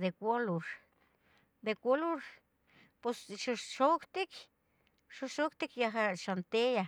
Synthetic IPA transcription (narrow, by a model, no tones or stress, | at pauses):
d̪ekʷoluɾ | d̪ekʷoluɾ | posʃuʃokt̪ik | ʃuʃokt̪ikjaxaʃant̪eja